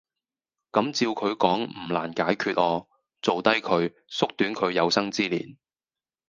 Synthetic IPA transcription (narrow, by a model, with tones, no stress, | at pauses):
kɐ˨˥mt͡siː˧wkʰɵ˨˧ɥkɔː˨˥ŋm̩˨˩la̰ː˨˩nkaː˨˥jkʰyː˧t̚ʔɔː˨˧ | t͡so˨wt̪ɐ˥jkʰɵ˨˧ɥ | sʊ˥k̚t̪yː˨˥nkʰɵ˨˧ɥjɐ˨˧wsɐ˥ŋt͡siː˥lḭː˨˩n